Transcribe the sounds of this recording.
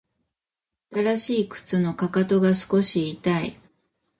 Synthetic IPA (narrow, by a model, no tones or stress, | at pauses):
at̪aɾaɕiːkɯ̟̥t͡sɨno̞kakat̪o̞ɡasɨ̥ko̞ɕiːt̪ai